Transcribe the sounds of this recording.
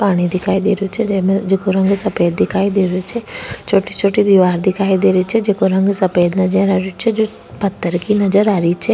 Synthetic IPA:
paːɽ̃id̪ɪkʰaːid̪eːɾjot͡ʃʰeemẽd͡ʒeːkoɾɐ̃ŋɡsɐpeːd̪̚ːɪkʰaːid̪eːɾjot͡ʃʰɛt͡ʃʰoːʈit͡ʃʰoːʈid̪iʋaːɾd̪ɪkʰaːid̪eːɾit͡ʃʰɛd͡ʒeːkoɾɐ̃ŋɡsɐpeːd̪nɐd͡ʒəɾaːɾjot͡ʃʰed͡ʒoː | pɐt̪ːəɾkinɐd͡ʒəɾaːɾit͡ʃʰɛ

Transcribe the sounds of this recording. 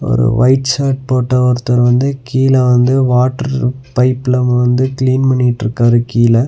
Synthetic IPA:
ɔ̰ɾɯ̰ʋɐ̰ɪʈsaːʈ̚poːʈːɐʋɐɾt̪ːɐɾʋɐnd̪ɯkiːlɐ̃ʋɐnd̪ɯʋaːʈːɐɾpɐɪpːɪlɐmɐʋɐnd̪ɯkɪliːnpɐɳːɪʈːɾɯkːaːðɯkiːlɐ

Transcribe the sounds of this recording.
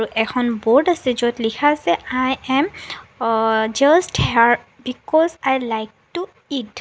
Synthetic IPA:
aɹuʔɛkʰɔnbɔɹdasɛzɔtlikʰasɛʔajɛm | d͡ʒasthɛaɹ | bikɔzajlajk̚tu | id

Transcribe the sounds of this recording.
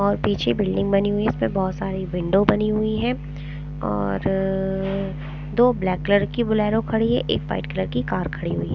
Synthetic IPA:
ɔːɾpiːt͡ʃʰebɪlɖɪ̃ŋɡbɐniɦʊiɪsmẽbɔːʊt̪saːɾiʋɪ̃ɳɖobɐniɦʊiɦɛ̃ː | ɔ̰ːɾ | d̪oːblɛːkːləɾkibʊlɛːɾõkʰɐɽiɦɛ̰̃ʔḛːkʋa̰ɪʈkləɾkikaːɾkʰɐɽiɦʊiɦɛ

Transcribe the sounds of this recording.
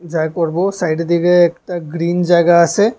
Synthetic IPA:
d͡ʒakɔɾbosaːɪɖd̪iɡɐeːkʈ̪aɡɾiːnd͡ʒɐɡase

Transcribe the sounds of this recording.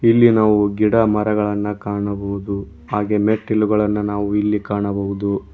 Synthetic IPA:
ilːinaːʋuɡiɽɐmɐɾɐɡɐɭɐnːɐkaːɳɐbɐwud̪u | ɦaːɡemeʈːilːuɡɐɭɐnːɐnaːʋuilːikaːɳɐbɐʋud̪u

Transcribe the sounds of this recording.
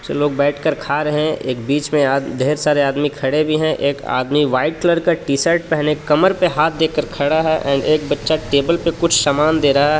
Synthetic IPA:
seloːɡbɛːʈʰkəɾkʰaːɾɛɦɛ̃ʔeːk̚biːt͡ʃmẽad̪ʱeːɾsaːɾeaːd̪mikʰɐɽebʱiɦɛ̃ʔeːka̰ːd̪miʋaːɪʈ̚kləɾkaʈiːsəɾʈ̚pɛɦnekɐməɾpeɦaːt̪̚ʰd̪eːkəɾkʰɐɽaɦɛʔɛ̰̃ːɳɖeːkbɐtːʃaʈeːbəlpekʊt͡ʃʰsamaːnd̪eːɾaɦɛ

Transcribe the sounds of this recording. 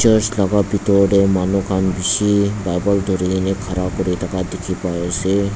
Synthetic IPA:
ɔslaɡabit̪ɔɖemanokʰanbiʃibajbɔld̪ʱoɾinekʰaɾakoɾitakad̪ekʰipajsʰe

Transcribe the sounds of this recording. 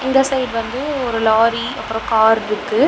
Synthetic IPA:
ɪŋɡ̪ɐsɐɪɖʋɐnd̪ɯɔɾɯlaːɾiɐpːɯɾõkaːɾɾɯkːɯ

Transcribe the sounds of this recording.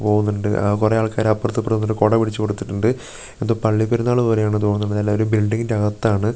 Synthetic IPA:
po̞ːɣunːuɳɖɨkureaːɭkaːɾɐpːɐrɐt̪ːɨpːrɐnːuɾɨko̞ːɽɐpiɽit͡ɕːɨkoɽut̪ːiʈːuɳɖɨ | e̞nd̪oːpɐɭːipːeɾunːaːɭɨpo̞ːɾe̞jaːɳɨt̪oːɳunːuɳːɖðɐlːaoɾubilɖiŋɡidɐɣɐt̪ːaːɳɨ

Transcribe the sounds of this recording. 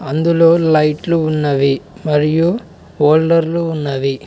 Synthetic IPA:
ɐnd̪uloːlɐjʈluunːɐʋimɐɾiju | oːlːɐɾluunːɐʋi

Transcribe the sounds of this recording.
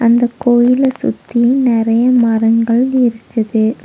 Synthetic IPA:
ʔɐnd̪ɐkːoːjɪlɐsʊ̰t̪ːinɪɾɐjɐmɐɾɐŋɡɐɭɪɾɯkːɐðɯ

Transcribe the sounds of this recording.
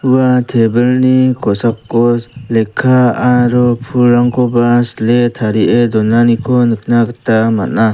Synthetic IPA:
uwatʰebɯlnikʰɔsap̚kɔlekʰːaaɾɔpʰuɾaŋkʰɔbasletʰaɾiedɔnanikʰɔnɯk̚ʰnakatamat̚na

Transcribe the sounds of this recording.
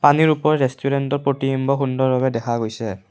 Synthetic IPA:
paniɹupɔɹɛɹestʰuɹɛntɔɹpɹotijɔmbɔxundɔɹbaβɛdɛkʰaɡojsɛ

